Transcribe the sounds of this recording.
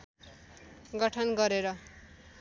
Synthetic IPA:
ɡʌʈʰʌnɡʌɾeɾʌ

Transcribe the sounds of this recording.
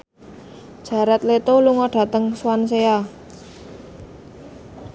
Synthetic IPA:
d̥ʒ̥ä̤ɾɛt̪let̪oluŋɔɖ̥ä̤t̪əŋswansea

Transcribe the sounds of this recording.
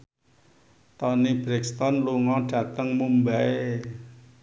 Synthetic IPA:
t̪ɔnib̥ɾɛkst̪ɔnluŋɔɖ̥a̤t̪əŋmumbae

